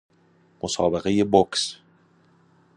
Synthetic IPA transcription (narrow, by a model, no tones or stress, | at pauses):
mʔosɒːbe̞ɣe̞jeboks